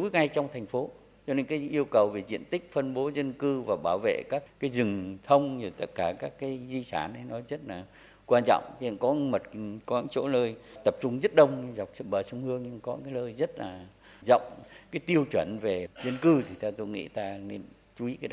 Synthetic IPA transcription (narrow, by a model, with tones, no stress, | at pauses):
u˨˦jŋa˧jt͡ɕɔ˧wŋ͡mt̪ʰɛ˨˩jŋ̟fo˨˦ | t͡ɕɔ˧ne˧nkaː˨˦ʔi˧əwkə˨˩wve˨˩zḭ˧˨ənt̪ï˦˥k̟̚fə˧nɓo˨˦zə˧nkɨ˧vaː˨˩ɓaː˧˩wvḛ˧˨kaː˦˥k̚ːaː˨˦jzɨ˨˩ŋt̪ʰə˧wŋ͡mzɨ˨˩t̪ə˦˥t̚kaː˧˩kaː˦˥kːaː˨˦jzi˧saː˧˩nə˨˦jnɔ˨˦zə˦˥t̚laː˨˩ | kwaː˧nt͡ɕɔ̰˧˨wŋ͡mə˧˨kɔ˨˦mə˨˩t̚kɔ˨˦aː˧˦˥t͡ɕo̰˧˥nəː˧jt̪ə˨˩p̚t͡ɕʊ˧ŋ͡mzə˦˥t̚ɗə˧wŋ͡mɲ˧za˨˩wk͡p̚sɓəː˨˩sə˧wŋ͡mhɨ˧əŋɲɨ˧ŋkɔ˨˦kaː˨˦jləː˧jzə˦˥t̚laː˨˩ | zə̰˧˨wŋ͡mkaː˨˦jt̪i˧əwt͡ɕwə˧˩nve˨˩zə˧nkɨ˧t̪ʰi˨˩t̪ʰa˧t̪o˧jŋḭ˧˥t̪aː˧ne˧n | t͡ɕu˨˦i˨˦kaː˨˦ɗ